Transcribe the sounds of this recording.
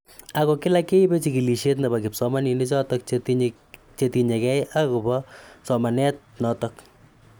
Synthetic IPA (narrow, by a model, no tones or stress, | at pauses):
akokɪlakeibet͡ʃikiliʃet̬nabakɪpsɔmaninet͡ʃɔtɔk̚t | t͡ʃetiɲekɛjʔakubɔsɔmanɛt̚nɔtɔk